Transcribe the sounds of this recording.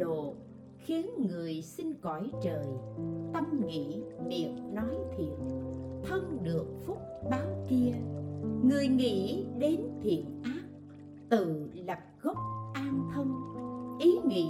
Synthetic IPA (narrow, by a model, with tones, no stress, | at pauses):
o˨ | xi˨˦ənŋɨ˨˩əjsï˧ŋkɔ˧˩jt͡ɕəː˨˩jt̪ə˧mŋḭ˧˨ɓi˨˩əp̚nɔ˨˦jt̪ʰḭ˨ənt̪ʰə˧ŋɗɨ˨˩ək̚fʊ˦˥k͡p̚ɓaː˨˦wki˧əŋɨ˨˩əjŋḭ˧˥˨ɗe˨˦nt̪ʰḭ˨˧˨ənʔaː˦˥p̚ | t̪ɨ̰˧˨lə˨˩p̚ɣə˦˥k͡p̚ʔaː˧nt̪ʰə˧wŋ͡mʔi˨˦ŋḭ˧˨